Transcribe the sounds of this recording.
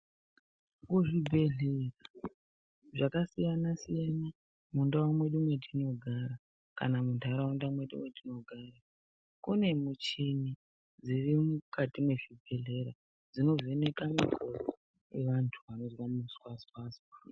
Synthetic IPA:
kuʐibʱe̞ɮe̞ra | ʐakasijanasijana | mundawamwe̞ɗumwe̞dʱino̞ɡʱaɾa | ka̰namuntʰaɾawandamwe̞ɗṵmwe̞dʱino̞ɡʱaɾa | kune̞mut͡ʃini | d͡zirimukatimwe̞ʐibʱe̞ɮe̞ɾa | d͡zino̞zene̞kamakʰoro | eʋantʰuʋano̞zwamuswaspaswa

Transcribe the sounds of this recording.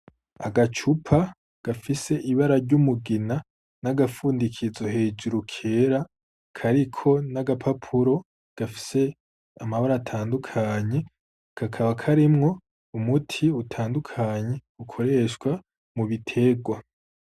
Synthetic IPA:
a̰ɡat͡ʃupʰa | ɡ̥afise̞ʔiβaɾaɾɟumuɡina | naɡafuːndikʰizo̞he̞d͡ʒuɾukʰeɾa | kʰaɾikʰo̞naɡapʰapʰuɾo̞ | ɡ̥afi̥se̞ | amaβaɾaːtʰaːndukʰaɲe̞ | kʰakʰaβakʰaɾimŋo̞ | umutʰiutʰaːndukʰaɲe̞ | ukʰo̞ɾe̞ʃkwa | muβitʰe̞ɡwa

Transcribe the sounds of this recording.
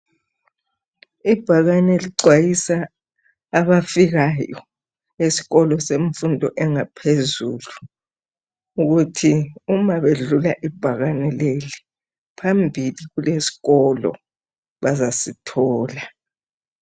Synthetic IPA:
ib̥ʱaɣanɛliǀwajisaː | βafiɣajɔ̰ | esi̥ɣɔlɔseɱfundʱɔ̰ʔɛŋapʰezṵːlu | uɣutʰiumaβeɮulaʔib̥ʱaɣanɛleli | pʰambʱiliɣulesi̥ɣɔlɔ̰ | βazasitʰɔːla

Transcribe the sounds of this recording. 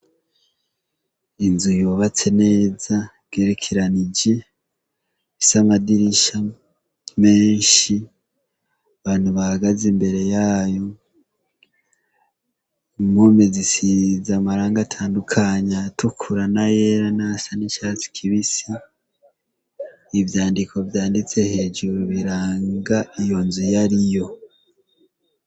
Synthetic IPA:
inzujoːβat͡se̞ne̞ːzabɡe̞ɾekʰiɾaniɟe̞ | isamadiɾiʃa | me̞ːnʃi | aβaːn̥huβahaɡazembe̞ɾe̞jaːjo̞ | momezisizamaɾaːŋɡatʰaːndukʰaɲatukʰuɾanajeɾanasanit͡ʃat͡si̥kʰiβisi | vjaːndiko̞vjaːndit͡se̞he̞ːd͡ʒuɾuβiɾaːŋɡaijo̞nzujaɾijo̞

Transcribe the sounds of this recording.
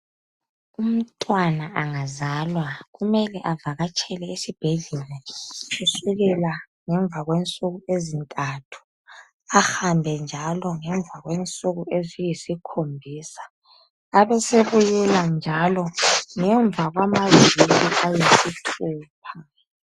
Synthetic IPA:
um̩tʼwanaʔaŋazalwaɣumɛlɛʔavaɣat͡ʃʼɛlɛisib̥ʱeɮɛlɛusuɣɛla | ŋɛɱb̪vʱaɣwɛnt͡sʼuɣuezintʼatʰu̥ | axambʱɛnd͡ʒʱalɔŋɛɱb̪vʱaɣwɛnt͡sʼuɣuezijisikʰombʱiːsḁː | βɛseβujɛland͡ʒʱalɔŋɛɱb̪vʱaɣwamaziiliʔajisitʰuːpʰa

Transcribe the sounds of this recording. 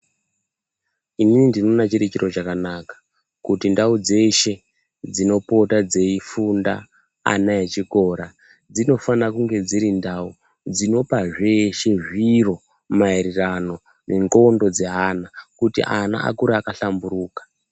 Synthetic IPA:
ininindino̞nat͡ʃiɾet͡ʃiɾo̞t͡ʃakanakḁ | kutindaud͡ze̞ʃe̞ | d͡zino̞po̞tad͡ze̞ifunda̰ | a̰naet͡ʃiko̞ɾa | d͡zino̞fanakuŋɡe̞d͡ziɾindau | d͡zino̞paʐe̞ʃe̞ʐiro̞ | maiɾirano̞ | neŋɡo̞ndo̞d͡ze̞ɦanakutḭʔana̰ʔa̰kuɾaːkaɬambuɾuːkḁ

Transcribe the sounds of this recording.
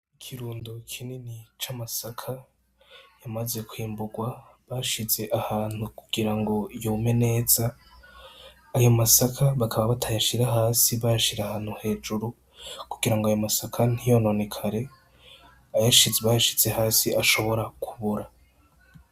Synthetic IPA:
ikʰiɾuːndukʰininit͡ʃamasakʰa | jamaze̞kwiːmbuɡwa | βaʃize̞ʔahaːn̥hukuɡ̥iɾaŋɡo̞jome̞ne̞z̥a | jo̞masakʰaβakʰaβaβatʰajaʃiɾaɦaːsiβajaʃiɾeahaːn̥huhe̞ːd͡ʒuɾu | kuɡiɾaŋɡoajo̞masakʰan̥ijo̞no̞ne̞kʰaɾe̞ | ajaʃizeβajaʃi̥ze̞haːsiʔaʃo̞βo̞ɾakʰuβuɾa

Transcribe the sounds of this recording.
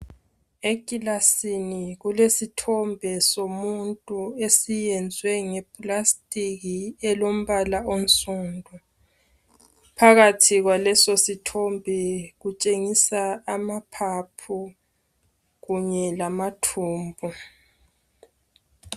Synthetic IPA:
ekʼilasiniɣulesitʰɔmbʱɛsomuntʼuesijɛnd͡zʱwɛŋɛpʼlastʼiɣiɛlom̩βalaonsʼundʱu | pʰaɣatʰiɣwalɛsositʰɔmbʱɛɣut͡ʃʼeŋisaːmapʰapʰu | ɣuɲɛlamatʰuːmbʱɔ

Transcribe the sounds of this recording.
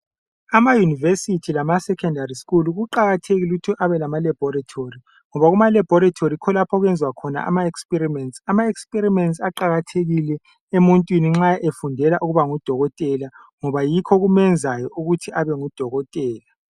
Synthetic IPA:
amajunivesitʰilamasɛkʰɛndariskuluɣuǃaɣatʰeɣiluutʰiʔaβɛlamalab̥ʱɔratʰori | ŋɔβaɣumalɛb̥ʱɔɾatʰorikʰɔlapʰɔɣwɛnd͡zʱwakʰɔna̰a̰maekspirimɛntsʼamaekspʼiɾimɛntsʼaǃaɣatʰeɣilɛ | emuntʼwiniŋ͡ǁaʔefundʱɛlaʔuɣuβaŋud̥ʱɔɣɔtʼɛla | ŋɔβajikʰɔɣumɛnd͡zʱajɔuɣutʰiaβɛŋud̥ʱɔɣɔtʼɛːla

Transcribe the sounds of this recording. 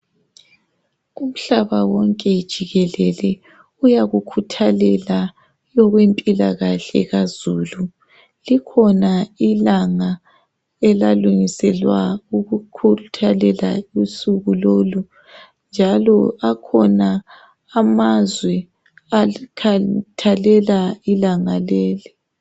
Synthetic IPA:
um̩ɬaβawɔŋkʼɛd̥ʒ̥ʱiɣɛlɛlɛ | ujaɣukʰutʰalɛla | jɔɣwempʼilaɣaɬɛ̰ɣazuːlu | likʰɔnailaŋa | ɛlaluŋisɛlwauɣukʰutʰalɛla̰usuɣuloːlu | nd͡ʒʱalɔakʰɔnaː | mazwɛ | akʰatʰalɛlailaŋalɛːli

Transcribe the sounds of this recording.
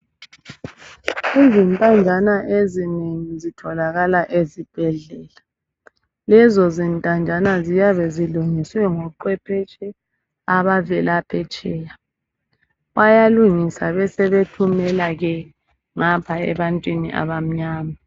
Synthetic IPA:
izintʼand͡ʒʱanaʔezineŋizitʰɔlaɣalaʔezib̥ʱɛɮɛːla | lɛzɔzintʼand͡ʒʱanazijaβɛziluŋiswɛŋɔǃwɛpʰɛt͡ʃʼɛ | aβavɛlapʰɛt͡ʃʼɛːja | wajaluŋisaβɛsɛβetʰumɛlaɣɛ | ŋapʰaɛ̰βantʼwinḭʔa̰βam̩ɲaːma

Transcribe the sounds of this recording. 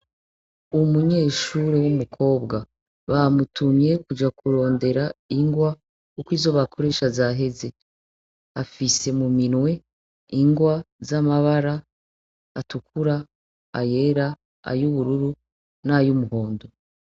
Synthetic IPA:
umuɲe̞ːʃuɾewumukʰo̞ːbɡa | βamutumje̞kud͡ʒakuɾo̞ːnde̞ɾaiŋɡwa | ukwiːzo̞βakʰo̞ɾe̞ːʃazaɦe̞ze̞ | afise̞muminwe̞ | iŋɡwazamaβaɾaː | tukʰuɾa | a̰je̞ːɾa | a̰juβuɾuɾu | najumuɦo̞ːndo

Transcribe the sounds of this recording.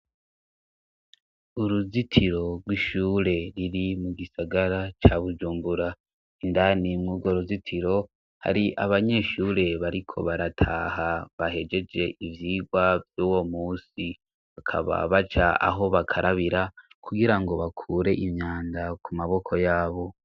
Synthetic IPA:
uɾuzitʰiɾo̞ɾwiʃuːɾe̞ɾiɾimuɡisaɡaɾat͡ʃaβud͡ʒuːmbuɾa | indanimŋuːɡwoɾuzitʰiɾo̞ | ha̰ɾiʔaβaɲe̞ʃuːɾe̞βaɾikʰo̞̰βaɾatʰa̰haβahe̞d͡ʒe̞d͡ʒe̞ʔivjiːɡwavjuːwo̞muːsi | βakʰa̰βa̰βat͡ʃaa̰ɦo̞βakʰaɾʔaβiɾakuɡiɾaŋɡo̞βakʰuːɾe̞ʔimɲaːndakumaβo̞kʰo̞jaːβo̞

